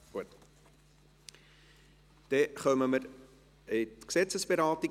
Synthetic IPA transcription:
uət | d̥eχœməməɾ | etksɛsəsbeɾɑːti

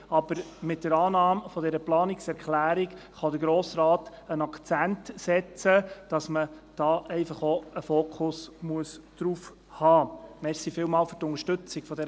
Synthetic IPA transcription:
ɑb̥əɾmɪt̚d̥əɾɑːnɑːmfɔdɛɾəplɑːnɪksɛɾkχlæːɾikχɑd̪əɾɡɾoːsɾɑːt | ənɑkt͡sæntsɛt͡səd̥ɑsməd̥ɑːʔɛɪfɑχoəfoːkʰʊsmuəsd̥ɾuf | hɑːmɛɾsifɪːlmɑːlfɵtʊŋəʃtɵt͡sɪɡfɔdɛɾə

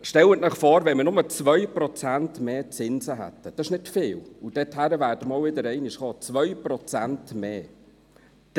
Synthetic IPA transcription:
ʃtɛlətnəχfɔːɾvɛnmənʊmət͡svœʏprɔt͡sæntmeːt͡sɪnzəɦæ̰tːəd̥ɑɪʃnɪtfɪːlʊd̥ɛthæɾəvæːɾd̥əmɑlvɪdəɾɛɪnɪʃχɔːt͡svœʏprɔt͡sæntmeː | d̥

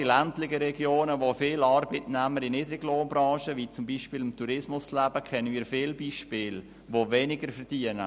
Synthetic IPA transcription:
ilæntlɪɡəɾɛɡjoːnəʋofɪːlɑɾbitnæməɾiniːdɾɪɡloːnbɾɑ̃ːʃəʋiːt͡sʊmbiːʃpiːlɪmtuɾɪsmʊslæb̥əkʰɛnənmiːɾfɪːlbiːʃpɪːl | ʋovɛnɪɡəɾfəɾd̥iənə

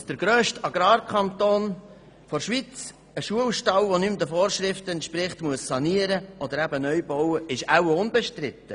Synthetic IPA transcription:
d̥əɾɡ̥ɾøːʃtɑɡ̥ɾɑːɾkʰɑnt̪oːn | fɔɾʃʋit͡s | əʃuəlʃtɑʊʋonymd̪əfɔːɾʃɾɪftəɛnt̪ʃpɾɪχtmuəssɑniəɾəʔɔd̪əɾæbənœʏbɔwəɪʃæwəʊnbɛʃtɾɪt̪ːə

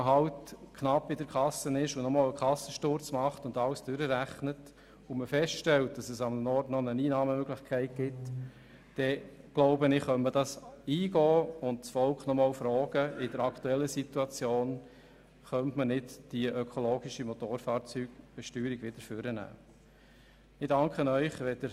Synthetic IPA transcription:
əɦɑltkʰnɑpːɪdəɾkʰɑsənɪʃʊnɔmɑːləkχɑsəʃtʊɾt͡smɑχtʊndɑlsd̥ʏɾəɾæχnət | ʊməfɛstʃtɛlt̚d̥ɑsəsɑmənɔɾtnɔnəniːnɑːməmøɡlɪχkʰæɪt̚ɡ̥ɪt | d̥ɛɡ̥loʊbənɪχœnməd̥ɑsiːɡɔːʊndsfɔlkχnɔmɑːlfɾɔːɡ̥əɪd̥əɾɑkt̪uɛlːəsit̪uɑt͡sjoːn | χœntmənɪdd̥iʔœkʰɔloːɡiʃimɔt̪oːɾfɑːɾt͡syːɡb̥ɛʃtyːɾiɡʋɪd̥̪əɾføɾənæ̰ː | ɪdɑŋkχənœʏχʋɛd̥əɾ

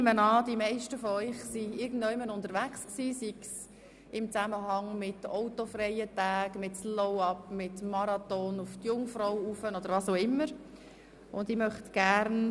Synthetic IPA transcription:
mənɑːd̥imɛɪʃtəfɔœʏχsiɪɾɡn̩dɔɪmənʊnd̪əɾʋæksksiːsiks | ɪmt͡sæməɦɑŋmɪtɔʊtofrɛjətæːɡmɪtslɔʊɑpmɪtmɑɾɑt̪ɔnʊftjʊŋfɾɔwufənɔd̥əɾʋɑsoʊɪmːəɾ | ʊnd̪ɪmœχt̪ɡ̥æɾn

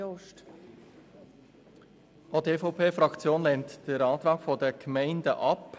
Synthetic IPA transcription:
oʃt | ateːfɔʊpʰeːfɾɑkt͡sjoːnlɛnt̪d̥əɾɑːt̪ɾɑːkfɔdəkʰmɛɪndə̰ʔɑp

